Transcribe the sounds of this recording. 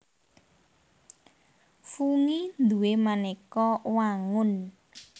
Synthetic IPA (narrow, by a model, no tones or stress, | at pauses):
fuŋind̪uwemanekɔwaŋʊn